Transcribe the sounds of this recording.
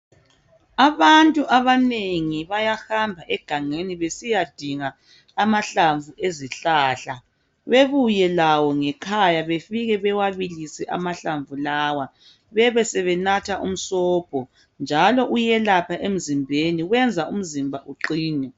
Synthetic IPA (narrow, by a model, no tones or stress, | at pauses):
aβantʼuʔaβaneŋiβajaxambʱaʔɛɡ̥ʱaŋeniβesijad̥ʱiŋaː | maɬaɱvuʔeziɬaːɬa | βeβujɛlawɔŋɛkʰajaβefiɣɛβɛwaβilisɛʔa̰maɬaɱvulaːwa | βɛβɛsɛβɛnatʰaʔṵm̩sɔːb̥̚ʱɔ | nd͡ʒʱalɔʔujɛlapʰaʔem̩zimbʱeniɣwɛnd͡zʱaʔum̩zimbʱaʔuǃiːnɛ